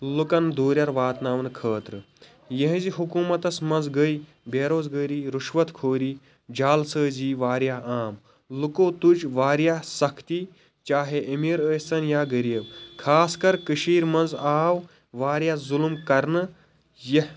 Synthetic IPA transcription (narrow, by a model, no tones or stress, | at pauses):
lukɐnd̪ʱoːɾʲjɐɾʋaːt̪naːʋnkʰəːt̪ɾɨ | jeɦziɦukuːmɐt̪ɐsmɐ̃nzɡəj | beːɾoːzɡəːɾiːɾuʃʋɐt̪kʰoːɾiː | d͡ʒaːlsəːziːʋaːɾjaːaːm | lukoːt̪ud͡ʒʋaːɾjaːsɐkʰt̪i | t͡ʃaːɦeʔɐmiːɾəːt͡sɐnjaːɡəɾjɐʋkʰaːskɐɾkəʃiːɾmɐnzaːw | ʋaːɾjazulmkɐɾnɨ | je